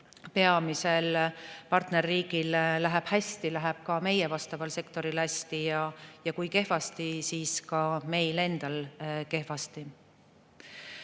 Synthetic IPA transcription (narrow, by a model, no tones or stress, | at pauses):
pe̞ɑmise̞lpɑrt̪ne̞rːiːɡ̥illæɦɛb̥hæst̪ilæɦɛb̥kɑme̞jevɑst̪ɑvɑlse̞kt̪o̞ɾilhæsʲt̪ijɑjɑkujke̞ɦvɑst̪isiːskɑme̞jle̞nd̪̥ɑlke̞hvɑst̪i